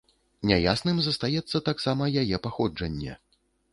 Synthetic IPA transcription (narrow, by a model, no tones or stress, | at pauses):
nʲaja̰snɨmzɐst̪ajɛt̪sːɐt̪aksamɐjajɛpaxɔd͡ʐɐnʲːɛ̰